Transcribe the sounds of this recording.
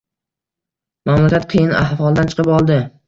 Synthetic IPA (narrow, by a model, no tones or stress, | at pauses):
mamlakʲat̪̚qʰɨjɪna̰hvɒlˠd̪ant͡ʃʰɨ̥qʰɨpɒlˠd̪ɪ